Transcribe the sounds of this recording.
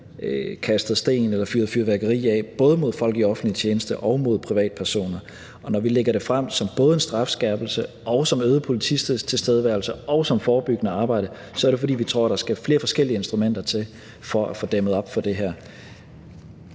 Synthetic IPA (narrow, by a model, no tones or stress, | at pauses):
kʰæsd̥ð̩ˠsd̥e̝̰ːnelɐfyːɐð̞̩ˠfyɐʋæɐɡ̥əʁḭːɛb̥ɔ̽ːð̞ˠəmo̝ð̞̰ˠfɒ̽l̰ɡ̥iɒ̽fn̩dlit͡ɕʰjeːnəsd̥əʔɒ̽ʊmo̝ð̞̰ˠpʰʁiʋɛ̰ːd̥pʰæɐso̝̰ːnɐ | ʔɒ̽nɒʋileɡ̥ɐɾe̝fʁam̰sɒ̽mb̥ɔ̽ːð̞̩ˠəensd̥ʁɑ̈fsɡ̥ɛb̥l̩sə | ɒʊsɒ̽møːð̞ˠəpʰo̝lit͡sʰisd̥est͡sʰe̝lsd̥eð̞ˠəʋæɐlsəʔɒ̽ʊsɒ̽mfɒːb̥yɡ̥ənəɑ̈ːb̥ɑ̈ɪ̰ɾ̥ə | sɒæɐɾe̝fɒ̽dḭːʋit͡sʰʁo̝ɐ̰d̥ɾɑ̈sɡ̥æɐfle̝ːɐfɒ̽sɡ̥el̰iəe̝nsd̥ʁumen̰d̥ɐt͡sʰe̝l | fɒ̽ʔæfo̽d̥emðˠɒ̽b̥fɒ̽d̥e̝ɦæɐ̰